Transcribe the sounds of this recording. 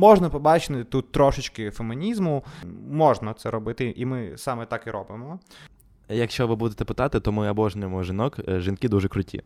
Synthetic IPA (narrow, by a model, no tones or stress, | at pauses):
mɔʒnɐpɔbɑt͡ʃɪt̪ɪt̪ut̪̚ːɾɔʃɪt͡ʃkɪfemɪnʲizmʊmɔʒnɐt̪sɛɾɔbɪt̪ɪʔimɪsɑmɛt̪ɑkɪɾɔbɪmɔ | jɐkʃt͡ʃɔʋɪbud̪et̪ɛpɪt̪ɑt̪ɪt̪ɔmɪɐbɔʒnʲʊjemɔʒinɔkʒinkɪd̪uʒɛkɾʊtʲʰḭ